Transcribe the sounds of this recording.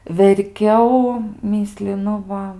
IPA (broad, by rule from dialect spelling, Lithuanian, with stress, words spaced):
ʋʲɛrʲˈkʲɛʊ ˈmʲiːsʲlʲɪnʊ ˈʋɐ